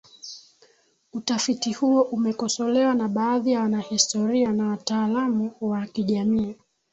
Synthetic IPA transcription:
utafitihuɔʔumɛkɔsɔlɛwanaɓaːðijawanahistɔɾianawataːlamuwakiʄamiː

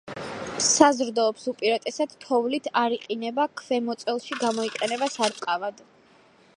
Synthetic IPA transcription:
sazɾd̪ɔːpsupʼiɾat̪ʼɛsad̪̥t̪ʰɔvlit̪ʰaɾiqʼinɛbakʰvɛmɔt̪sʼɛlˠʃiɡamɔiqʼɛnɛbasaɾt̪ʼqʼavad̪

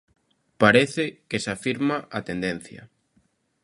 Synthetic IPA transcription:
paɾeθɪkesafiɾmaʔat̪end̪en̟θjɐ̰

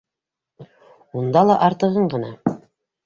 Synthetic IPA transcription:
und̪ɑlˠɑʔɑɾt̪ɤ̆ʁɤɴɢɤ̆nɑ

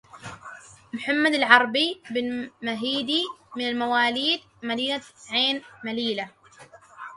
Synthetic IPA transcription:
mħamːad̪alʕɑɾˤbibɪnmaɦiːd̪imɪnalmawaːliːd̪ | mad̪iːnaʕeːnmaliːla

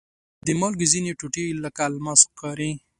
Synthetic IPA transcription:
d̪emɑlɡizineʈuʈilakalmaskɑɾĩ

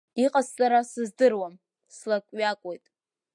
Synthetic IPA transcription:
iqʼazsʼaɾasɨzdɨrwam | slakʷʼɥakʷʼwe̞jtʼ

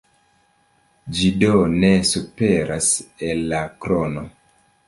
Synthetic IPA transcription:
d͡ʒido̞ne̞supe̞ɾʔase̞lːakɾono̞

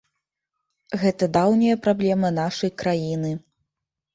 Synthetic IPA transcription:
ɣɛt̪ɐd̪awnʲijɐpɾablʲɛmɐnaʂɐjkɾajinɨ

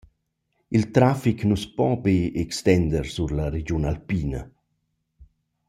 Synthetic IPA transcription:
ilt̪ɾafiknuspɔbeekst̪ɛnd̪əɾsuɾlaɾed͡ʒunalpiːna

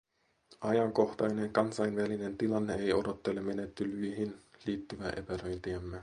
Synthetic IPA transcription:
ʔɑjɑŋko̞xt̪ɑjne̞ŋkɑnsɑjnʋæline̞nt̪ilɑnːe̞ejo̞do̞t̪ːelːemːe̞net̪ːylyiɦinliːt̪ːyʋæːʔe̞pæɾøjnt̪iæmːe

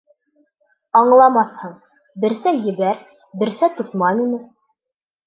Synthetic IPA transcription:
ɑɴlˠɑmɑθhɤɴ | bɘ̆ɾsæjɘ̆βæɾ | bɘ̆ɾsæt̪ŏt̪mɑninɘ

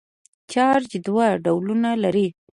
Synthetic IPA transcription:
t͡ʃɑɾd͡ʒd̪waɖawlunalaɾi

